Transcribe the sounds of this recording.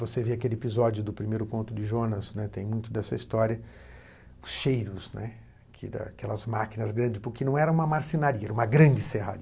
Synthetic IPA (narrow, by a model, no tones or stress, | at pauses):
voseveakelɪepizɔd͡ʒjʊd̪ʊpɾimejɾʊkõnt̪ʊd͡ʒɪʒonɐsnɛt̪ẽj̃mũj̃t̪ʊd̪ɛsɐist̪ɔɾiɐ | ʊsʃejɾʊsnɛ | kʰɪ̰d̪ɐ̰a̰kɛlɐzmakinɐzɡɾɐ̃nd͡ʒɪspʊɾkɪnɐ̃w̃ɛɾɐũmɐmaɾsinaɾiɐɛɾɐũmɐɡɾɐ̃d͡ʒɪseɦa̰ɾiɐ